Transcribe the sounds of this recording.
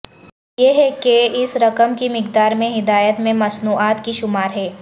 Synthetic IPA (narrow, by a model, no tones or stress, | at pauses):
jeɦɛkeɪsɾɐkəmkimɪkd̪aːɾmẽɦɪd̪aːjət̪mẽmɐsnuːaːt̪kiʃʊmaːɾɦɛː